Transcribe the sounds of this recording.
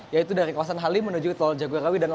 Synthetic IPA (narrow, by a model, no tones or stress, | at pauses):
jait̪udaɾikawasanɦalimənud͡ʒut̪ɔld͡ʒaɡuɾawidanl